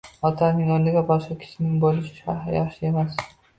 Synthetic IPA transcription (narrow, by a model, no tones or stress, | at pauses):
ɒt̪ʰɑnɪŋonɪɡʲabɒʃqɑkʲʰɪ̥ʃɪnɪŋbolɪʃɪ̥ʃa̰ɦajɑχʃɪemas